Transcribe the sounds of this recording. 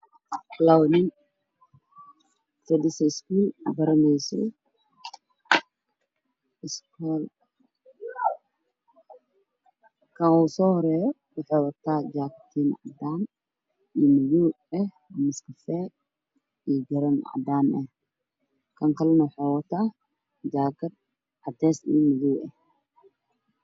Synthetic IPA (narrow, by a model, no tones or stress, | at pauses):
lawnɪn | fɛd̪ɪsɐɪskuːlbɐɾɐmɛjsɔ̰ | ɪskʰɔːl | kʰɐnusɔːhɔɾɛːjɔ | wɑħɑːwɐt̪ʰaːd͡ʒaːkʰɐt̪ʰiːnʕɑ̰d̪aːn | iːmɐjuː | ɛh | mɪskʰɐfɛ | iːɡɐɾɐnʕɑ̰d̪aːnɐh | kʰɐŋkʰɐlɛnɐwʊħɑːwɐt̪ʰaː | d͡ʒaːkʰɐd̪ | ʕɑd̪ɛːsḭːmɐjuːɛh